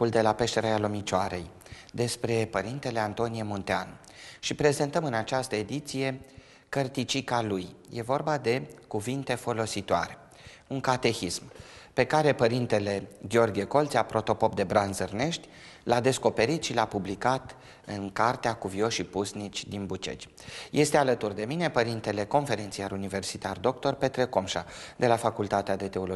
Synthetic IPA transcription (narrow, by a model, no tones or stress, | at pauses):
uld̪e̞lape̞ʃt̪e̞ɾaalomit͡ʃoaɾe̞̰j | d̪e̞spɾe̞pəɾint̪e̞le̞ant̪o̞nijemont̪ean | ʃipɾe̞ze̞nt̪əmɨnat͡ʃast̪əe̞d̪it̪sije̞ | kərt̪it͡ʃikalujjʔe̞vo̞rbad̪e̞kuvint̪e̞fo̞lo̞sit̪oaɾe̞ | uŋkat̪e̞çismpe̞kaɾe̞pəɾint̪e̞le̞ɡʲeo̞rɡʲieko̞lt̪sʲapɾo̞t̪o̞po̞pd̪e̞bɾanzərne̞ʃt̪ʲ | lad̪e̞sko̞pe̞ɾit̪ʃilapublikat̪ | ɨŋkart̪eakuvio̞ʃipusnit͡ʃʲd̪inbut͡ʃḛt͡ʃʲ | je̞st̪ealət̪urd̪e̞mine̞pəɾint̪e̞le̞ko̞nfe̞ɾinsiaɾunive̞rsit̪ard̪o̞k̚t̪o̞rpe̞t̪ɾe̞ko̞mʃad̪e̞lafakult̪at̪ead̪e̞t̪e̞o̞lo